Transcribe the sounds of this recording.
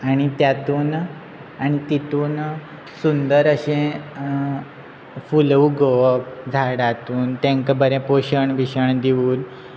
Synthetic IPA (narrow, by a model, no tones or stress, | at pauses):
aɽ̃it̪jat̪uːn | aɽ̃it̪it̪uːn | sund̪əɾəɕẽ | fulʋuɡoʋəpd͡zʱaɽat̪uːnt̪ẽŋkəbəɾɛ̃poɕəɳʋiɕəɳd̪iʋuːl